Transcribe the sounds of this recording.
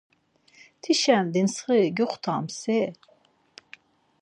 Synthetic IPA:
t̪ʰiʃænd̪insʁɨɡuχʷt̪ʰɑmse

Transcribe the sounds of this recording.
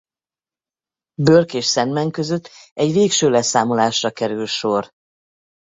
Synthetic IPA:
børkeːʃsɛnmɛŋkø̞zøt̪ːɛɟʋeːkʃøːlɛsaːmolaːʃrɒkɛɾylʃor

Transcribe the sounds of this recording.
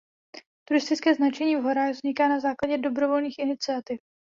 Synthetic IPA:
t̪uɾɪst̪ɪt͡skɛːznat͡ʃɛɲiːvɦo̞ɾaɣvzɲɪkaːnazaːklaɟɛdo̞bɾovo̞lniːxɪnɪt͡sɪat̪ɪf

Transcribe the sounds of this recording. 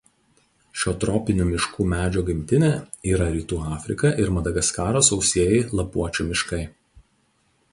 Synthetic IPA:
ʃʲoːt̪ɾɔːpʲɪnʲuːmʲɪʃkuːmʲæːd͡ʒʲoːɡʲɪmʲt̪ʲɪnʲeiːɾɐɾʲiːt̪uːɑːfʲɾʲɪkɐʔɪɾmɐd̪ɐɡɐskɑːɾoːsɒʊsʲiɛjɪlˠɐpuɔt͡ʃʲuːmʲɪʃkɐɪ

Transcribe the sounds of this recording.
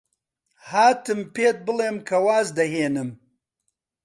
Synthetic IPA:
haːt̪ɨmpeːt̪̚bɨleːmkʰɐwaːzd̪ɐɦeːnɨm

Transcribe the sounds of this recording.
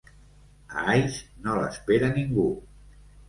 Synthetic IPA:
a̰ajsnolə̰speɾəniŋɡu

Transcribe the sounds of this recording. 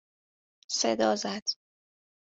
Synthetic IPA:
sed̪ɒːzæd̪̥

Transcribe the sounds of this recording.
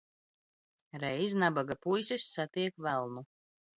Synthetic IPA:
ɾɛjznabaɡapujsʲisːat̪iɛkvælˠnu

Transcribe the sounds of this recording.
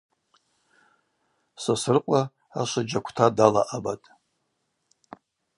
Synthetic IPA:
sasɨrqʷʼa | aʃʷad͡ʒakʷʰtʰadala̰ʔabatʼ

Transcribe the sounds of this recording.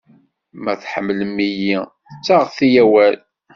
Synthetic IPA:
mæθħəmːləmːiji | t͡sːaʁəθijæwæl

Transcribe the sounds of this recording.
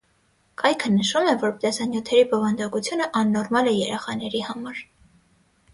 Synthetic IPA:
kɑjkʰənəʃumɛvɔɾt̪ɛsɑnjut̪ʰɛɾibɔvɑnd̪ɑkut͡sʰjunəʔɑnːɔɾmɑlɛjɛɾɛχɑnɛɾihɑmɑɾ

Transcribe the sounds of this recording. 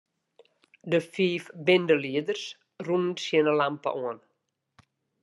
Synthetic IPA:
dəfiːfbɪndəliədərs | runənsjənəlampə̰ʔɔən

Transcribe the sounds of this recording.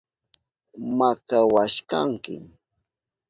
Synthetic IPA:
makawaʃka̰ŋkɪ̰

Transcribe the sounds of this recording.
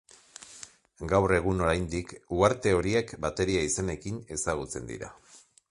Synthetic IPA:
ɡawre̞ɣ̞uno̞ɾajnd̪ikuaɾt̪e̞o̞ɾie̞kbat̪e̞ɾiaisane̞kine̞saɣ̞ut͡se̞̰nd̪ḭɾa̰

